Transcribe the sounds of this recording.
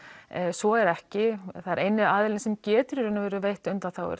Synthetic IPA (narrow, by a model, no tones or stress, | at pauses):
sɔɛɾɛhcɪθaðɪɾʔejnːɪaːðɪlɪnsɛmcɛːt̪ʏɾɾʏnːavɛːɾʏvejht̪ʏnt̪anθawɛ̰ɾ